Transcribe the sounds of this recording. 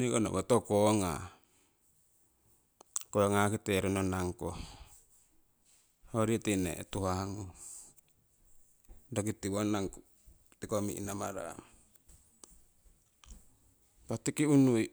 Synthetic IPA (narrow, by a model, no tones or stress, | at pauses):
nikona̰bot̪okoŋa̰ | kooŋakit̪eɾinonaŋko | hoɾit̪inḛt̪uɦaŋu | dokit̪iwonaŋku | t̪ikomḭʔḭnama̰ɾa̰ | pat̪ikiunui